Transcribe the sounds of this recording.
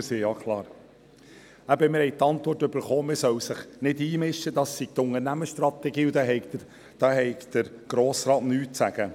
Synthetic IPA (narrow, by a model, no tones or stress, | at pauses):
siːjɑkʰlɑːɾ | æbəmɪɾhɛɪt̪ɑnt̪ʋɔrtːɵb̥əɾχoːmɪsœwsəχnɪdiːmɪʃtəd̪ɑsːiɡ̥̚t̪ʊŋəɾnæməʃtɾɑt̪ɛɡiːud̪ɑɦɛɪ | d̪̥ɑːɦɛɪkd̪̥əɾɡ̥ɾoːsɾɑːtnyːt̚sæɡ̥ə